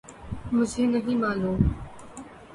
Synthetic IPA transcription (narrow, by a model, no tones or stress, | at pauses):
mʊd͡ʒʱeːnɐɦĩːmaːluːm